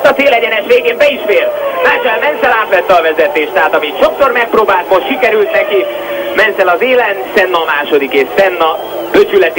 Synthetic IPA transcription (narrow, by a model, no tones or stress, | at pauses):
t̪ɒt̪seːlɛɟɛnɛʃʋeːɡeːmbɛiʃfeːrnaːt͡ʃɛlmɛnsɛlaːt̪ʋɛt̪ːɛɒvɛzɛt̪eːʃt̪ɛɦaːt̪ɒmit̪ʃo̞ksormɛk̚proːbaːlt̪mo̞ʃt̪ʃikɛɾylt̪nɛki | mɛnsɛlɒzeːlɛnsɛnːɒmaːʃo̞d̪ikeːʃsɛnːɒ | b̥øt͡ʃylɛt̪i